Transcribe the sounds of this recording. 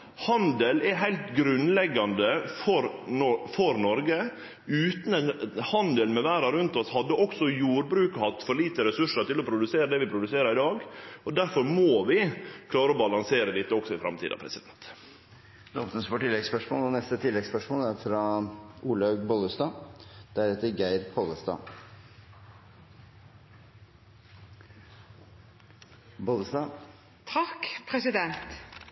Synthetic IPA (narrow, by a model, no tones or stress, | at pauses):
hɑnd̪əlɛɦæɪlt̪ɡɾʉnlɛɡːɑnd̪əfɔɾɔfɔɾnɔɾɡə | ʉːt̪n̩ɛnhɑnd̪əlmɛʋæːɾɑɾʉnt̪ɔshɑd̪ːəʔɔksɔjuːɾbɾʉːkhɑt̪ːfɔɾɭiːt̪əɾɛsʉʂəɾʈ̪ɪlɔpʰɾʊd̪ʉseːɾəd̪ɛʋɪpʰɾʊd̪ʉseːɾəɾɪd̪ɑːɡɔd̪æɾfɔɾmoːʋɪkʰlɑːɾəɔbɑlɑŋseːɾəd̪ɪt̪ːəɔksɔɪfɾɑ̰mt̪ʰḭːd̪ɑ̰pɾɛ̰sɪd̪ɛnt̪ | d̪ɔmt̪ənsfoʈɪlːɛɡspœʂmo̰ːlɔnɛst̪ət̪ʰɪlːɛɡspœʂmoːləæɾfɾɑʔuːlɑʉɡbɔləst̪ɑːd̪̥æɾɛt̪ːəɾɡæɪɾpʰɔləst̪ɑ̰ː | bɔləst̪ɑː | t̪ʰɑkpʰɾɛsɪd̪ɛnt̪